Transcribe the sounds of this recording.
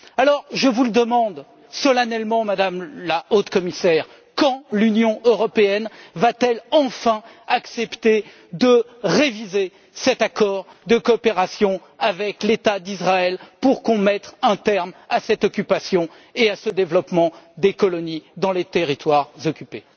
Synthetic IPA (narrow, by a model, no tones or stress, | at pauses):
alɔʁʒəvuləd̪əmɑ̃d̪ | sɔlanɛlmɑ̃mad̪amlaot̪kɔmisɛʁ | kɑ̃lynjɔ̃øʁɔpeɛnvat̪ɛlɑ̃fɛ̃ | aksɛpt̪e | d̪ə | ʁevize | sɛt̪akɔʁd̪əkɔːpeʁasjɔ̃ | avɛklet̪ad̪izʁaɛlpuʁkɔ̃mɛt̪χɛ̃t̪ɛʁmasɛt̪ɔkʲypasjɔ̃ | easəd̪evlɔpmɑ̃d̪ekɔlɔnid̪ɑ̃let̪eʁit̪waʁzɔkʲype